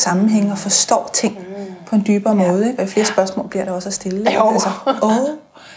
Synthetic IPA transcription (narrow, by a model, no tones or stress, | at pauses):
sɑ̈mn̩ɦeŋ̰əɒ̽fɒ̽sd̥ɒ̰ːt͡sʰe̝ŋ̰pʰɒ̽e̝nd̥yːb̥ɐːmɔːð̞̩ˠeɡ̥ɒ̽ifle̝ːɐsb̥ɶɐsmɔ̰̽lb̥liɐɾɑ̈ɒ̽sæsd̥e̝lð̩ˠælsɐo